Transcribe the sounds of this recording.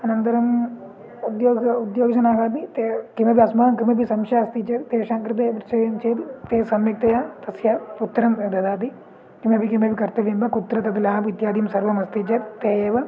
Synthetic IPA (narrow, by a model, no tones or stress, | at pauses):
ɐnɐnt̪ɐɾɐm | ud̪joːɡud̪joːɡsɐnaːkaːd̪it̪ekɪmẽːbiɐsmaːnkɪmẽbisɐmʃaːɐst̪it͡ʃʰɐt̪eːʃãːŋkɾɪt̪̬epɾt͡ʃemt͡ʃʰeːt̪t̪eːsɐmjek̚t̪ejaːt̪ɐsjaput̪ːɾɐmd̪ɐd̪aːd̪i | kɪmẽbikɪmẽbikɐɾt̪ɐʋimbãkʊt̪ɾɐt̪ɐt̪ilaːpɪt̪jaːd̪ijɐmsɐɾʋɐmɐst̪it͡ʃɐt̪eːeʋɐ